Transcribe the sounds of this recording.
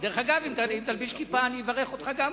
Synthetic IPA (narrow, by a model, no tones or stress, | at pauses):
d̪eʁeχaɡavimt̪aimt̪albiʃkipaːnivaʁe̞χo̞t̪χaɡam